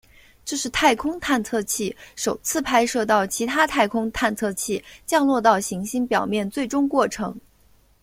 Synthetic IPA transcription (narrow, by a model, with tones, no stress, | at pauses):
ʈ͡ʂɤ˥˧ʂɻ̩˥˧t̪ʰa˥˩ɪkʰʊ˥ŋt̪ʰa˥˧nt͡sʰɤ˥˧t͡ɕʰi˥˩ʂo˨˩ʊt͡sʰɹ̩˥˩pʰa˥ɪʂɤ˥˧t̪ɑ˥˩ʊt͡ɕʰi˧˥t̪ʰa˥t̪ʰa˥˩ɪkʰʊ˥ŋt̪ʰa˥˧nt͡sʰɤ˥˧t͡ɕʰi˥˩t͡ɕjɑ˥˧ŋlwɔ˥˧t̪ɑ˥˩ʊɕi˧˥ŋɕi˥ŋpjɑ˨˩ʊmjɛ˥˧nt͡swe˥˩ɪʈ͡ʂʊ˥ŋkwɔ˥˩ʈ͡ʂʰɤ˧˥ŋ